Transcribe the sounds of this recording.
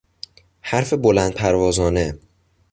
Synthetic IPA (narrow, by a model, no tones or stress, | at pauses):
hæɾfe̞bo̞lænd̪̚pʰæɾvɒːzɒːne